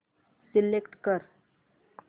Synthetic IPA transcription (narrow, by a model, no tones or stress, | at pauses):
silekʈkəɾ